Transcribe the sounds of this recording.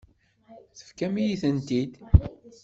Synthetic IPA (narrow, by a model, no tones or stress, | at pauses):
θə̥fkæmijiθənt̪id̪